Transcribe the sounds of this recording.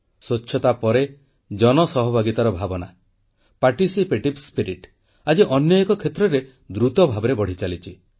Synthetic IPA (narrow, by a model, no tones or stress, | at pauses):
sot͡ʃːʰɔt̪apɔɾe | d͡ʒɔnɔsɔɦɔbʱaɡit̪aɾɔbʱabɔna | paɾʈisipeʈibspiɾiʈ | ad͡ʒiʔɔnjɔekɔkʰet̪ɾɔɾe | d̪ɾut̪ɔbʱabɔɾebɔɽ̤it͡ʃalit͡ʃʰi